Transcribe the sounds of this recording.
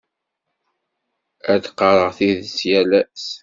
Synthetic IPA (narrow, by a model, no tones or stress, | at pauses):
æd̪qɑɾˤəʁθiðsjælæs